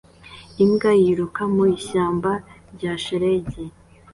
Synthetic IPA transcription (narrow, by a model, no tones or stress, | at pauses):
imɡajiɾukamuiɕaːmbaɾɟaːʃeɾeɟe